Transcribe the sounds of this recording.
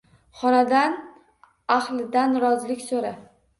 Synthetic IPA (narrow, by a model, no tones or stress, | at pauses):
χɒnad̪an | aχlˠɪd̪anɾɒzlɪkʲsoɾa